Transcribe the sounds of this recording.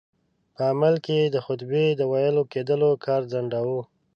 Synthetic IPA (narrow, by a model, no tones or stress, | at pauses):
pəamalked̪əxʊt̪bed̪əwajəloked̪əlokʰɑɾzaɳɖawu